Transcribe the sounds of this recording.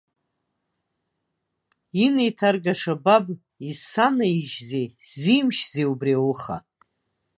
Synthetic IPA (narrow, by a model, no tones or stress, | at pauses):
inejtʰarɡaʂabab | isanaiʒzejzimʃzejubriawuχa̰